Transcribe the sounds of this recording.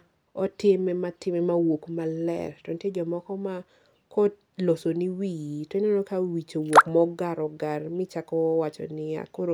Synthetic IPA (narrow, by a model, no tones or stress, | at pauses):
ɔtɪmɛmatɪmɛmawokmalɛ̰rtɔntjed͡ʒɔmɔkɔma | kɔ | losoniwitonɛnokawit͡ʃowokmɔɡaɾɔɡarmɪt͡ʃakɔwat͡ʃɔ̰nɪa̰koɾo